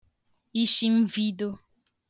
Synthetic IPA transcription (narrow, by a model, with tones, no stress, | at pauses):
i˦ʃi˦m̩˦vi˦do˦